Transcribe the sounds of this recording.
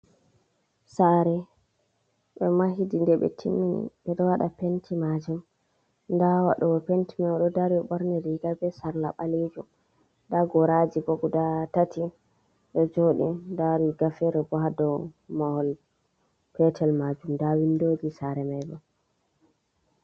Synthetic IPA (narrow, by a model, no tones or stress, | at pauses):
saɾɛ | ɓɛmaɦidindɛɓɛ̰tʰimːinḭɓɛɗɔwaɗapentʰimad͡ʒum | ndawaɗɔɔpentimawɗɔdaɾiɔɓɔɾnɛɾiɡabɛsaɾlaɓaled͡ʒum | daɡɔɾad͡ʒibɔɡudatati | ɗɔd͡ʒoɗḭndaɾiɡafɛɾɛbɔɦadɔmahɔl | pɛtʰɛlmad͡ʒumndawindod͡ʒisaɾɛmajbɔ